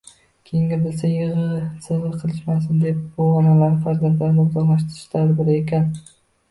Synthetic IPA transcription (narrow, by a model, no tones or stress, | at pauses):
kʲʰejɪŋɡʲabɪlsajɪʁɨsɪɾɨɾqʰɨlˠɪʃmas̬ɪnd̪e̞p̚bʊɒnalaɾɪfaɾzant̪laɾnɪʊzɑʁlaʃ̬t̪ɪɾɪʃlaɾbɪɾɪekʲʰan